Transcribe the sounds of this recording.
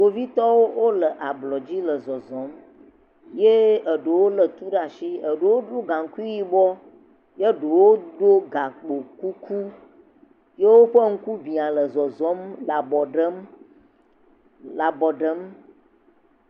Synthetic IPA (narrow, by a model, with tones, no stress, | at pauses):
t̪o˨vi˦t̪ɔ˦wo˦wo˦lə˨ʔa˨blɔ˨d͡ʑi˦lə˨zɔ˨zɔ˨˦m | je˦ə˨ɖə˨wo˦lə˨t̪u˦ɖa˨ʃi˦ə˨ɖə˨wo˦ɖu˦ɡa˨ŋ̩˦ku˦ji˦bɔ˦ | je˦ɖo˨wo˦ɖo˦ɡa˨k͡po˨ku˦kʰu˦ | je˦wo˦ɸə˦ŋ̩˦ku˦bi˨a˨lə˨zɔ˨zɔ̃˦mla˨bɔ˨ɖə˦m | la˨bɔ˨ɖə˦m